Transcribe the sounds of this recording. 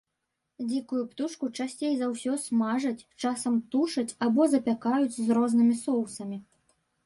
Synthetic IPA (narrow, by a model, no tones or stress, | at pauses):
d͡zʲikujupt̪uʂkut͡ʂasʲt͡sʲejzawsʲɔsmaʐɐt͡sʲt͡ʂasɐmt̪uʂɐt͡sʲabɔzɐpʲakajut͡sʲzrɔznɨmʲisɔwsɐmʲi